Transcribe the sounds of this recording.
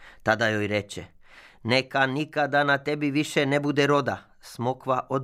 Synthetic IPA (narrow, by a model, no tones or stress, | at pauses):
t̪ad̪ajojɾet͡ʃɛ̰ | nekanikad̪anat̪ebiʋiʃɛnebud̪ɛɾod̪a | smokʋaʔod̪